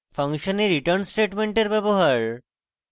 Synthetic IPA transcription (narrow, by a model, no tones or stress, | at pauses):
fʰaŋʃoneɾiʈɐɾnsʈeʈmeɳʈeɾbɛboɦaɾ